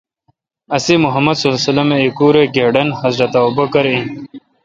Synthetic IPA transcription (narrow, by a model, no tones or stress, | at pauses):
ɐsimuɦɐmɐd̪sɐlsɐlɐmeikuːɾeɡeːɖɐnhɐzɾɐt̪aobɐkɐɾĩ